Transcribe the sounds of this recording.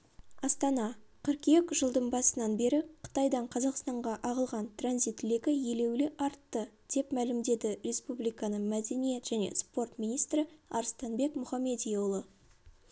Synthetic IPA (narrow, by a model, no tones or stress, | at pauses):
ɑst̪ɑnɑqʰəɾkekʒəlˠd̪əɴbɑsənɑnbe̞ɾɪqʰə̥t̪ɑjd̪ɑɴqʰɑzɑqst̪ɑɴʁɑʔɑʁəlˠʁɑnt̪ranzijt̪lʲekʲɪje̞le̞wlɪʔɑɾt̪ːəd̪̥e̞pmælɪmd̪e̞d̪ɪɾʲe̞spublijkɑnəmæd̪e̞nije̞t̪ʒ̥æne̞̰spo̞rt̪minijst̪ɾɪɑ̰ɾst̪ɑnbe̞kmʊχɑmːe̞d̪ijolˠə